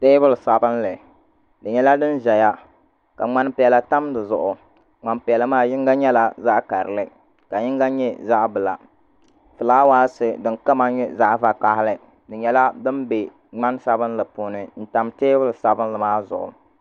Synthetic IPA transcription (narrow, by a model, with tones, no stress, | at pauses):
teː˦bʊ˦lsa˨bɨ˦nlɨ˨ | dɨ˨ɲɛ˦la˦dɨ˦nʒɛ˨ja˦ | ka̰˨ŋ͡ma˦npɪ˨ɛ˨la˨ta˦mdɨ˨zʊ˨ʔʊ˨ | ŋ͡ma˨npɪ˨ɛ˨lɨ˦maː˦jɪ˦ŋɡa˦ɲɛ˦la˨za˦ʔka˨ɾɨ̰˨lɨ˦ | ka˨jɪ˦ŋɡa˦ɲɛ˦za˦ʔbɨ˨la̰˨ | fɨ˨laː˦waː˦sɨ˨dɨ˨nka˦ma˦ɲɛ˦za˦ʔva˨k͡pa˦hɪ˦lɨ˦ | dɨ˨ɲɛ˦la˦dɨ˦nbe˨ | ŋ͡ma˦n˦sa˦bɨ˦nlɨ˨puː˨nɨ˨n̩˦ta˨mteː˦bɨ˦lɨ˨sa˨bɨ˦nlɨ˨maː˦zʊ̰˨ʔʊ̰˨